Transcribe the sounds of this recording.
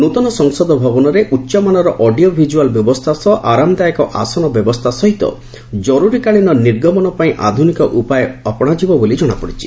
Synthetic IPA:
nut̪ɔnɔsɔŋsɔd̪ɔbʱɔbɔnɔɾeʔutːʃɔmanɔɾɔʔɔɖiobʱid͡ʒualbjɔbɔst̪ʰasɔʔaɾamd̪ajekɔʔa̰sɔnɔbjɔbɔst̪ʰasɔɦit̪ɔ̰ | d͡ʒɔɾuɾikaɭinɔniɾɡɔmɔnɔpaĩʔa̰d̪ʱunikɔʔupajeɔpɔɽ̃ad͡ʒibɔbolid͡ʒɔɽ̃apɔɽit͡ʃʰi̥

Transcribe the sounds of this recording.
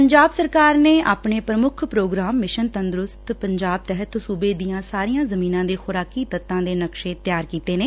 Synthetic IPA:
pəɲd͡ʒaːbsəɾkaːɾneːʔaːpɳeːpɾəmʊkʰpɾoːɡɾaːmːɪʃənt̪ənd̪ɾʊst̪pəɲd͡ʒaːb̚t̪ɛɦət̪suːbeːd̪ijãːsaːɾijãːzəmiːnãːd̪eːxʊːɾaːkiːt̪ət̪ːãːd̪eːnəkʃeːt̪jaːɾkiːt̪eːneː

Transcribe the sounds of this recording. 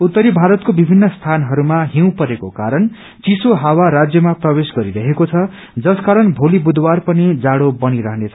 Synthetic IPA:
ut̪ːʌɾibʱaɾʌt̪̚kobibʱinːʌst̪ʰanɦʌɾumaɦiw̃pʌɾekokaɾʌn | t͡sisoɦawaɾad͡zjʌmaprʌbesɡʌɾiɾʌɦekot͡sʰʌ | d͡zʌskaɾʌnbʱolibud̪ʱwarpʌnid͡zaɽobʌniɾʌɦʌnet͡sʰʌ

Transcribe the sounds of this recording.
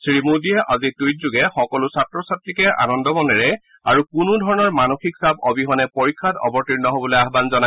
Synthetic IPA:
sɹimudiɛʔazitujt̚zuɡɛxɔkɔlʊsatɹɔsatɹikɛʔa̰nɔndɔbɔndɛɹɛ | a̰ɹukunudʱɔɹɔnɔɹmanoxiksabɔbiɦɔnɛpɔɹikʰːatɔ̰bɔɹtiɹnɔɦobɔlojaɦbanzɔna

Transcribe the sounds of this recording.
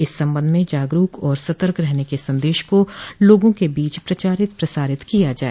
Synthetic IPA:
ɪsːɐ̃mbə̃nd̪mẽd͡ʒaːɡɾuːkɔːɾsɐt̪əɾkɾɛɦnekesɐ̃nd̪eːʃkoloːɡõkebiːt͡ʃpɾɐt͡ʃaːɾɪt̪̚pɾɐsaːɾɪt̪kijad͡ʒaːe

